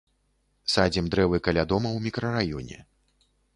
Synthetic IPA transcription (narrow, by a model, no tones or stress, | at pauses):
sad͡zʲɛmd̪ɾɛvɨkalʲad̪ɔmɐwmʲikɾɐrajɔnʲɛ̰